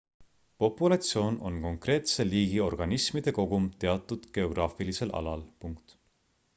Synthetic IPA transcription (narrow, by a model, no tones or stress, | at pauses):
po̞pːˑulɑt̪sjo̞ːnʔo̞̰nko̞ŋkre̞ːt̪se̞liːɡ̥io̞rɡ̥ɑnismid̪̥e̞ko̞ɡ̥umt̪e̞ɑt̪ːˑud̪̥ɡ̥e̞o̞ɡ̥rɑːfilise̞lʔɑ̰lɑlpuŋkt̪